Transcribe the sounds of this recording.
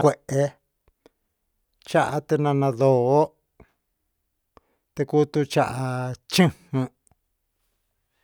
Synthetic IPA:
kʷe˨ʔe˧ | t͡ʃa˦ʔa˧t̪e˧nã˧nã˧ðoː˧˦ | t̪e˧ku˦t̪u˧t͡ʃa˧ʔa˧t͡ʃĩ˦hũ˧

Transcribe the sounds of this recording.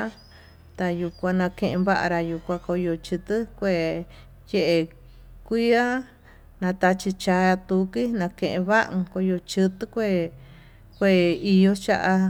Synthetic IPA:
t̪a˧ju˧kʷã˧nã˧kẽ˧ʔẽ˧βa˦ʔa̰˧ɾa˧ju˨kʷã˧ko˧jo˧t͡ʃɨ˧t̪ɨ˦kʷe˧ | je˦ʔe˧ | kʷi˦a˦ | nã˧t̪a˧t͡ʃi˧t͡ʃa˧a˧t̪u˧ki˦nã˧kẽ˧ʔẽ˧βa˦ʔko˧jo˧t͡ʃɨ˧t̪ɨ˦kʷe˦˧ | kʷe˦˧i˧jo˧t͡ʃa˦˧ʔa˧

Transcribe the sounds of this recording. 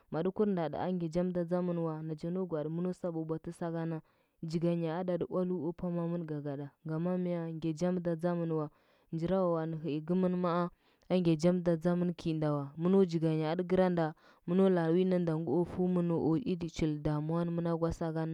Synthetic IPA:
ma˨du˦ku˦ɾnda˨da̰˨a̰˦ŋɡe˨d͡ʒa˦mda˨d͡za˦mu˦nwa˨na˨d͡ʒa˦no˦ɡʷa˨dmu˦no˦sa˦bo˨bʷa˨ti˦sa˦ɡa˦na˦ | d͡ʒi˨ɡa˨ɲa˨a˦da˨di˦ʔwa˦lu˦o˦pa˦ma˦mu˦nɡa˨ɡa˨da˨ŋɡa˨ma˦mi˦ja˨ŋɡe˨d͡ʒa˦m˦da˨d͡za˦mu˦n˨wa˨ | nd͡ʒi˨ɾa˦wa˨wa˨ni˨ɦi˨i˨ɡu˦mə˦nma˦a˦ | a˦ŋɡʲe˨d͡ʒa˦m˦da˨d͡za˦mə˦nkʰi˨nda˨wa˨mu˦no˦d͡ʒi˨ɡa˨ɲa˨a˨di˦ɡi˦ɾa˦nda˨ | mu˦no˦la˨wi˦na˦nda˨ŋɡu˦o˦fu˦mu˦no˨ʔo˨i˦di˨t͡ʃi˨lda˨m˦a˦n˦mu˦na˦ɡwa˦sa˦ɡa˦na˦

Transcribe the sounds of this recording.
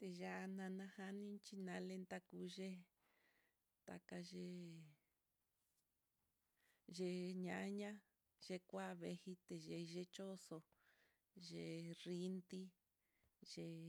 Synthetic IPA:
t̪e˧ʒa˦˧nã˧nã˧ha˧˦nĩ˦t͡ʃi˧nã˧le˧nt̪a˧ku˧ʒe˦ | t̪a̰˧ka˧ʒe˧ | ʒe˧ɲã˨˦ɲã˦ | ʒe˧kʷa˦βe˧hi˧t̪e˨ʒe˧ʒe˧t͡ʃo˦so˧ | ʒe˧˨ri˧nt̪i˦ | ʒe˧

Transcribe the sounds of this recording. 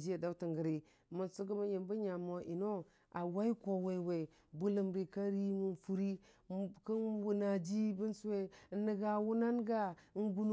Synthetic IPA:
d͡ʒi˦a˨da˦u˦ti˨ŋɡə˨ɾi˨ | mu˨nsu˦ɡə˦ma˦ji˨mbə˦ɲa˨mo˨ʔi˨no˦ | ʔa˨wa˦i˦ko˨we˨we˨ | bu˦lə˨mɾi˨ka˦ɾi˦mu˨nfu˦ɾi˦kə˦nwu˨na˨d͡ʒi˦bi˦nsu˦we˦nə˨ɡa˨wu˦na˦nɡa˦n˦ɡu˦n˦

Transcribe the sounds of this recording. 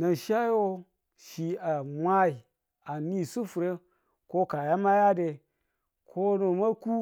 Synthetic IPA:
na˨n˨ʃa˦jo˦ | ʃi˨a˨mʷa˦i˨ | a˨ni˦su˦fu˨ɾe˦ | ko˦ka˨ja˦ma˦ja˦de˨ | kʰo˦no˨ma˦ku˦

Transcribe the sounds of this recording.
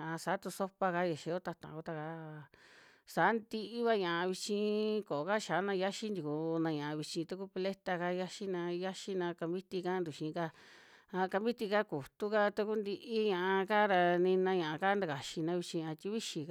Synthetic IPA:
ã˨ʔa˧sa˨˦t̪u˧so˦pa˧ka˧je˨ʃe˧˦o˦t̪a˧t̪ã̰˨ku˧t̪a˧ka˧ | sa˨˦nd̪i˧ʔi˦βa˧ɲã˨ʔa˧βi˧t͡ʃĩ˧ko˨ka˦ʃaː˨˦nã˧ja˦ʃi˦nd̪i˧ku˧nã˧ɲã˨a˧βi˧t͡ʃĩ˧t̪u˧ku˦pe˧le˦t̪a˧ka˧˦ja˦ʃi˦nã˧ja˦ʃi˦nã˧ka˧mbi˦t̪i˧ka˦nd̪u˨ʃĩː˨˧ka˧a˧ka˧mbi˦t̪i˧ka˦ku˨t̪u˦ka˦t̪u˧ku˦nd̪i˧ʔi˦ɲã˧ʔa˧ka˦ɾa˧nĩ˧nã˧ɲã˨ã˧ka˦nd̪a˧ka˨ʃi˧nã˧βi˧t͡ʃĩ˧ã˧t̪i˦βi˦ʃi˧ka˧

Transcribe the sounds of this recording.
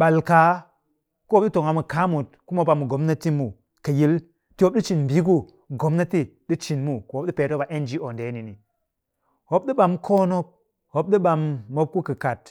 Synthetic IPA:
ɓa˨lka˨˦ | ku˦o˦p̚ɗi˦to˨ŋa˨mu˨ka˨˦mu˨t̚ku˦mo˦ba˨mu˨ɡo˨˦m˦na˦ti˦mu˨ | ka˨ji˦l | ti˦wo˦p̚ɗi˦t͡ʃi˨nbi˨˦k̬u˦ | ɡo˨mna˦ti˦ɗi˦t͡ʃi˨nmu˦ko˨˦p̚ɗi˦pe˨˦to˦ba˨ʔe˦nd͡ʒi˦o˨nde˨˦ni˨ni˨ | ho˦p̚ɗi˦ɓa˨mkʰoː˦no˦p̚ | ho˨p̚ɗi˦ɓa˨mːo˦p̚ku˦kɨ˨ka˨t̚

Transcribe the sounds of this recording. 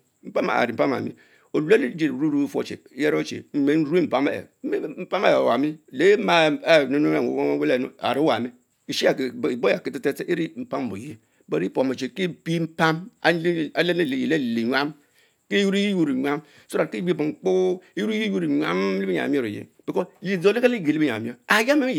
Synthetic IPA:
m̩˨˦pa˦ma̰˨a̰˨ɾi˨m̩˨pa˦ma̰˨mḭ˦ | o˨la˦le˦d͡ʒe˨ɾɾu˦ɾu˦fo̰˨t͡ʃḛ˨˦je˦ɾo˦t͡ʃḛ˨m̩˦˨me˨˦n̩˦ɾe˦m̩˨pa˦ma̰˦˨ḛ˨˦m̩˦pa˦ma˦jwa˨mi˦˨le˨˦ma˨˦˨no˦no˦e˦˨o̰˨wo˦we˦le˨no̰˦a̰˨ɾi˦wa˨mi˦ | i˨ʃi˦a˨kbo˦a˨ki˦ti˦te˦te˦ʔi˦ɾi˦m̩˨pa˦m˨o̰˨ji˦ | ba˨ɾi˦po˨mo˨t͡ʃe˨ke˦bi˦m̩˦pa˦ma˨˦a˦le˦ne˦˨e˨ji˨le˦˨le˨ɲʷa˦m | ke˦ju˦ɾi˦ji˦jo˦ɾi˨ɲʷa˦m | so˦ɾa˨ke˦bbo˨ŋ͡m̩˨k͡pu˦e˦ju˦ɾji˦ju˦ɾi˨ɲʷa̰˦m˦li˦bi˦ɲa̰˨mi˦o˦ɾo˨jḛ˨˦b̥i˨ko˦li˨zo˨˦li˦ka˦li˦ɡe˨li˦bi˦ɲa̰˨i˦o˦a˨ja˦me˦i˦˨

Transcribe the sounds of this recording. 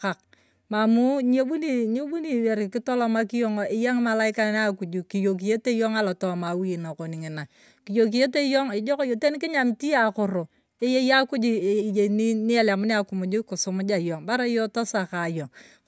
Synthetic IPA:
a˨k̚ | ma˨mu˦ɲ˦e˦bu˦ni˦ɲe˦bu˦ni˨we˨ɾɪ˨kɪ˦tɔ˦lɔ˦ma˦ki˦jo˦ŋ˦ʔɪ˦ja˦ŋma˨la˦ɪ˦ka˦n˦a˦ku˨d͡ʒu˨ki˨jo˨k̬i˨je˦te˦jo˦ŋa˦la˨tɔ˦ma˨wi˦˨na˨ko˨ni˨ŋɪ˨na˨ | ki˨jo˨k̬i˨je˦te˦jo˦ŋɪ˨d͡ʒɔ˦ko˦jo˨te˦ni˦kɪ˦ɲa˨mti˦a˨kʊ˨ɾo˨ | e˦je˦ja˦ku˦d͡ʒi˦˨je˨ni˦ni˦a˦la˨mʊ˦ni˦a˨ku˨mu˨d͡ʒi˦kʊ˨sʊ˨mʊ˦d͡ʒa˨jo˨ŋba˦ɾa˦jɔ˦to˦sa˨ka˨jo˨

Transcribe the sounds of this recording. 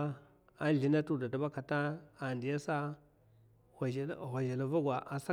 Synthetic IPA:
a˦n˦ɮi˨na˦tu˦da˨da˨ba˦ka˨ta˦a˨ndi˨ja˦sa˦˨ | wʷa˨ʒa˨la˨va˦ɡʷa˨ʔa˨sa˦

